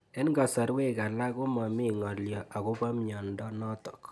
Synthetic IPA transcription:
ɛ˦nɡa˨sɔ˨ɾwe˦ka˨la˦ku˦ma˨mɪ˦ŋɔ˨ljɔ˨ʔa˨ɣu˦ba˦mɲɔ˨ndɔ˦nɔ˦tɔ˨k

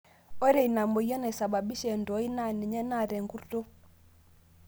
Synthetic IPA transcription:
ɔ˦ɾɛ˦˨i˨na˨mɔ˨i˦ɔ˦na˨i˨sa˨ba˨bi˦ʃɛ˨ndɔ˨˦i˦na˦˨ni˨ɲɛ˦na˦˨ɾɛ˨ŋɡu˦to˦

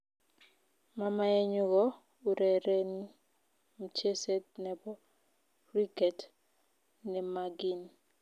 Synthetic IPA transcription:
ma˦ma˦ɛ˦ɲu˦ɡɔ˦ | u˨ɾɛ˨ɾe˦n˦ | m̩˨t͡ʃe˦sɛ˦t̚nɛ˨bɔ˦ | ri˦ɡɛ˨t | nɛ˨maɡi˦n

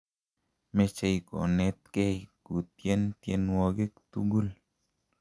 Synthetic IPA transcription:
me˧t͡ʃe˧jko̰˨ne˧t̪ke˦jku˨t̪je˦nt̪je˧nwo˧ɡe˦k̚t̪u˦ɡu˦l

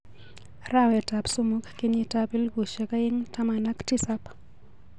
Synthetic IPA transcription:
ra˦˨wɛ˨ta˨pso˦mo˦kki˦ni˦ta˦pi˦lɡu˨ʃɛ˨ka˦ji˦ŋta˦ma˨na˦kti˦sa˦p

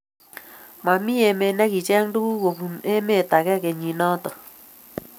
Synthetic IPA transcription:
ma˨mi˦e˨me˨nɛ˦ki˨t͡ʃɛ˦ŋndu˦ku˦ko˨bu˨me˦me˦˨ta˨kɛ˦ke˨ɲi˨nɔ˦tɔ˨

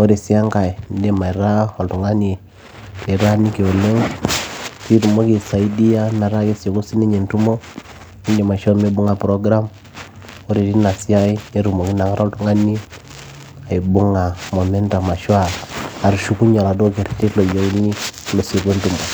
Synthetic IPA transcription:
o˦ɾi˨si˦a˦ŋka˨i˨nde˦ma˨ɾa˦o˨ltu˨ŋa˦ni˨ | te˨ɾa˦ni˦ke˨o˨le˦ŋ | ki˦ɾu˨mo˦ke˨sa˨i˦di˦ja˦ma˨ɾa˦ke˦so˨ku˦si˦ni˦ɲe˨ntu˦mo˦ | i˦nde˨ma˨ʃa˦me˦bu˦ŋa˨pɾo˦ɡɾa˦m | o˦ɾe˨ɾi˦na˨si˦a˦i˦e˦ɾu˨mo˨ki˦na˨ŋa˦ɾo˦ltu˨ŋa˦ni˦ | a˨i˨bu˦ŋa˨mo˨me˦nta˨ma˨ʃwa˦˨a˨ɾu˨ʃu˦ku˦ɲa˨ɾa˨do˦ke˨ɾi˨ti˦lo˨jo˨u˦ni˦lo˨skwe˦ntu˦˨mbo˨

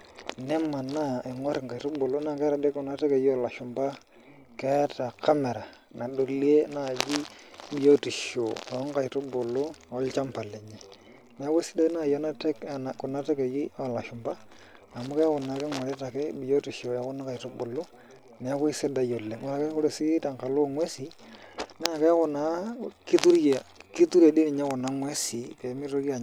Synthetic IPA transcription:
nɛ˦ma˨na˦e˨ŋɔ˦ɾɪ˨ŋka˨i˨tʊ˦bo˨lo˦na˦˨kɛ˦ɾa˨de˦kʊ˨na˦te˦ke˨ji˦ɔ˦˨la˨ʃʊ˨mba˦ | kɛ˦ta˨kʰa˦mɛ˨ɾa˨ | na˨ɗo˨li˦e˦na˦˨d͡ʒi˦bi˨jo˦ti˨ʃo˨˦ŋ˦ka˨i˨tʊ˦bo˨lo˦ɔ˨˦lt͡ʃa˦mpa˨le˨ɲe˨ | mɛ˨a˦ko˦i˦sɪ˦da˦na˦˨ja˦na˦te˦kn˨kʊ˨na˦te˦ke˨ji˦ɔ˦˨la˨ʃʊ˨mba˦ | a˨mʊ˦kɛ˦kʊ˨na˨˦kɛ˦ŋwa˨ɾɛ˦ta˨kɛ˦bi˨jo˦ti˨ʃo˨a˨kʊ˦na˦ka˨i˨to˦bo˨lo˦ | nɛ˨a˦ko˦i˦sɪ˦da˨jo˨le˨ŋa˦ɾa˨kɛ˦kʊ˦ɾe˨si˦ta˨ŋka˨lo˦˨ŋwɛ˦si˨nɛ˦a˨kɛ˦kʊ˨na˨˦ki˦tu˦ɾje˨ki˦tu˦ɾe˨di˦nɪ˨ɲa˦kʊ˨na˦ŋwɛ˦si˨pɛ˨˦mɪ˦to˦ki˦a˨

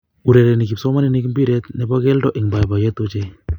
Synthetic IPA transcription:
u˨ɾɛ˨ɾɛ˨ni˨ki˨psɔ˦ma˦ni˨ni˦ki˦mbi˦ɾɛt̪̚nɛ˨ba˦kɛ˦ldɔ˦ʔɪ˨ŋba˨jba˨jɛ˦t̪o˦t͡ʃe˦

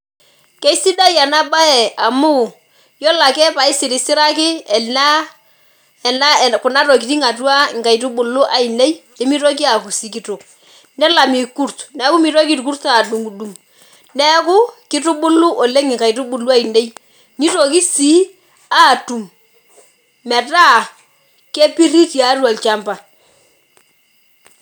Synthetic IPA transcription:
kɛ˦i˦si˦da˦ja˨na˦ba˦ɛ˨a˨mʊ˦ | jɔ˦la˨kɛ˦pa˨ɪ˦sɪ˨ɾɪ˨sɪ˦ɾa˦kɪ˦ɛ˨na˦ | ɛ˨na˦˨kʊ˨na˦ɾo˨k̬i˨ti˦ŋa˨tu˦a˦ŋ˨ka˨i˨t̬u˦ɓʊ˨lʊ˦ʔa˨i˨ne˦j | e˦mi˦ɾo˦k̬i˦a˨ku˨si˨ki˦tʊ˨k | nɛ˦la˨mi˨ku˦ɾtnɛ˨˦ku˦mi˨ɾo˦k̬i˦tku˦ɾta˨du˨ŋu˨du˨m | nɛ˦kʊ˦kɪ˦tʊ˦ɓʊ˦lu˦ʔo˨le˦ŋɪ˨ka˨i˨tu˦ɓʊ˨lu˦a˦i˨ne˦j | ni˦to˨ki˦siː˦ | a˦˨tu˨m | mɛ˨ta˦˨ | ke˦pi˦ri˦ti˨a˨˦twa˨lt͡ʃa˦mpa˨

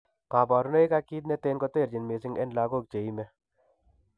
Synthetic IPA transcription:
kaː˨ba˨ɾne˦e˦ka˦kiː˦t̪̬̚ne˦t̪eː˦nkɔ˦t̪e˦˨ɾd͡ʒɪ˨nme˨s̬ɪ˦ŋɛ̰˦nlaː˧ɡo˦˨k̚t͡ʃe˨i˦mɛ˦

